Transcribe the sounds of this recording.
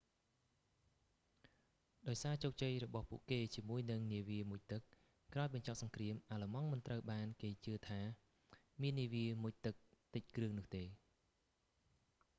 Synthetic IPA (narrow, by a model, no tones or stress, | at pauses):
ɗaɔjsaːt͡ɕoːk̚t͡ɕəjrɔɓɑhpṵəʔkeːt͡ɕiəmuəjnɨŋniəʋiəmuc̚t̪ɨk̚ | kraɔjɓɑɲt͡ɕɑp̚sɑŋkriəmʔaːlamɑŋmɨnt̪rəwɓaːnkeːt͡ɕɨət̪ʰaː | miənːiəʋiəmuc̚t̪ɨk̚t̪ɨc̚krɨəŋnʊ̆əht̪eː